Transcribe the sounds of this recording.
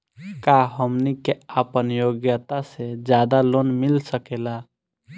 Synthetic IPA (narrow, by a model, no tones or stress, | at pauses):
kaɦəmnikeapənjoːɡjət̪ased͡ʒjaːd̪alonmɪlsəkeːla